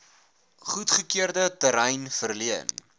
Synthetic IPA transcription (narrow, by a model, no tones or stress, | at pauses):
χutχəkiərdətəɾɛjnfərliən